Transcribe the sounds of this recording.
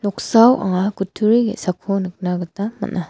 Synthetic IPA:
lɔk̚sawa̰ŋakutʰuɾiɡḭsakʰonɯk̚naɡɯtama̰nʔa

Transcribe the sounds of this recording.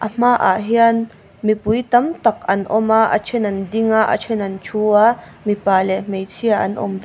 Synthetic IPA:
ʔɐm̥aːʔa̰ʔɦian | mipujt̪ɐmt̪ɐk̚ɐnʔɔmaːʔa̰t͡ʃʰɛnɐndiŋaːʔa̰t͡ʃʰɛnɐnt͡ʃʰuːaː | mipaːlɛʔm̥ejt͡sʰiaʔɐnʔɔ̰m

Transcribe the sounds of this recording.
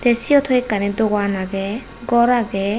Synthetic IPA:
d̪̥ɛsiɔt̪ʰɔikːanidɔɡanaɡɛ | ɡɔɾaɡɛ

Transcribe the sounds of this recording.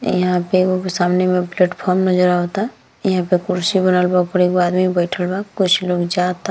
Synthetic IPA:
jɐɦãpeɡosaːmnemẽpleːʈpʰɔːɾmnəd͡ʒɾaɦoːt̪a | jəɦãpekʊɾsibənəlbaɡpəɾeɡoaːd̪mibəɪʈʰəlbakʊt͡ʃʰloːɡd͡ʒat̪a

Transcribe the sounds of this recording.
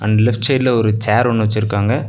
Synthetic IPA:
ɐnd̪ɐlɪfʈt͡ʃɐɪɖlɐɔɾɯt͡ʃaːɾɔɳːɯʋɐt͡ʃːɪɾɯkːaːŋɡɐ

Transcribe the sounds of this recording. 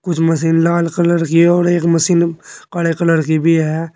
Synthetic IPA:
kʊt͡ʃʰmɐs̬iːnlaːlkɐləɾkiɔːɾeːkmɐsiːnkaɽekɐləɾkibʱiɦɛː

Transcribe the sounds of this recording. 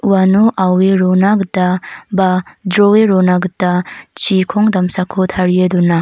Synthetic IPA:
wanuʔaweɾonaɡdabadɾɔweɾɔnaɡdat͡ʃikʰɔŋdamsakʰot̪ʰaɾieduna

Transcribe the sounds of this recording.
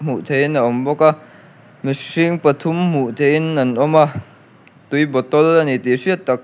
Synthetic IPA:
m̥uʔt̪ʰejnaʔɔmbɔka | misiŋpɐt̪ʰʊmm̥uʔt̪ʰejnːɐnʔɔma | t̪ujbɔt̪ɔlːanit̪isiət̪̚ːak̚

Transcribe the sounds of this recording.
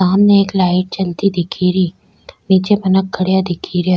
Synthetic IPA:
aːmneːklaːɪʈ̚t͡ʃɐlt̪id̪ɪkʰiɾiː | niːt͡ʃepɐnək̚ɡɐɽijad̪ɪkʰiɾja

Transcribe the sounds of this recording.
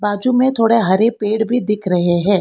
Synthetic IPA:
baːd͡ʒumẽt̪ʰoːɽeɦɐɾepeːɽbʱid̪ɪkʰɾɐɦeɦɛ̃ː

